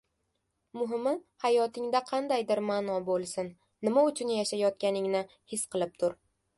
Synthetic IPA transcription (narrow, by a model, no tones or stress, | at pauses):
mʊɦɪmɪhajɒt̪ʰɪŋd̪aqʰɑnd̪ajd̪ɪɾmaːnɒbolˠsɪnː | ɪmaʊt͡ʃʰʊnjaʃajɒt̪̚kʲanɪŋnɪ | hɪsqɨlˠɪp̚t̪ʰʊɾ